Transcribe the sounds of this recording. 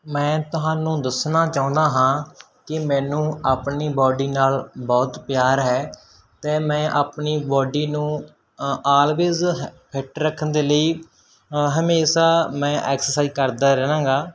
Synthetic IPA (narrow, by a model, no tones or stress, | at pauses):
mɛ̃ːt̪ʊɦaːnũːd̪əsnaːt͡ʃaːʊ̃nd̪aːɦãː | kɪmɛ̃ːnũːaːpniːbɔːɖiːnaːlbɔːt̪pjaːɾɦɛː | t̪ɛ̃ːmɛ̃ːʔaːpniːbɔːɖiːnũː | aːlʋeːzɦpʰɪʈɾəkʰːənd̪eːləiː | ɦəmeːʃaːmɛ̃ːʔɛːksəɾsaːizkəɾd̪aːɾɛːñãːɡaː